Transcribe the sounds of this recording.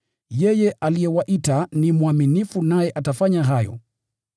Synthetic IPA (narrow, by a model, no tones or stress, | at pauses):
jɛjɛʔalijɛwaʔitanimuaminifunajɛʔatafaɲaɦajɔ̰